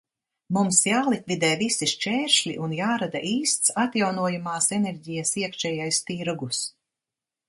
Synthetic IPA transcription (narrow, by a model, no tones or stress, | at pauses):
mumsjaːlˠik̪vʲid̪ɛːvisiʃt͡ʃɛːɾʃlʲḭʔunjaːɾad̪aʔiːst̪sat̪jawnuɔjamaːsɛnɛɾɟijɐsiɛkʃɛːjajst̪iɾɡus